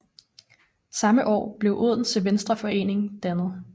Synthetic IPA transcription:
sɑ̈məʔɒ̰ːb̥le̝ʊʔuð̞̰ˠn̩seʋensd̥ʁɐfɒ̽e̝̰ːne̝ŋ̩d̥ænð̞̩ˠ

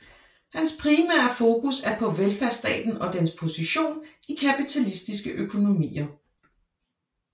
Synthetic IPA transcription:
hænspʰʁimæ̰ɐfo̝ːkʰusæɐpʰɒ̽ʋelfæɐsd̥ɛ̰ːd̥n̩ɒ̽d̥enspʰo̝siɕo̝̰ːn | ikʰæpit͡sʰælisd̥isɡ̥əʔøkʰo̝no̝mḭːɐ

